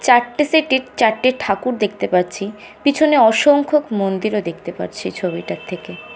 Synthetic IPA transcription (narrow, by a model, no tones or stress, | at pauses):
t͡ɕaɾʈːeseʈeɾt͡ɕaɾʈːeʈʰakuɾd̪ek̚ʰt̪epaɾt͡ɕʰi | pit͡ɕʰoneɔʃoŋkʰokmond̪iɾod̪ekʰt̪epa̰ɾt͡ɕʰit͡ɕʰobiʈat̪ʰːeke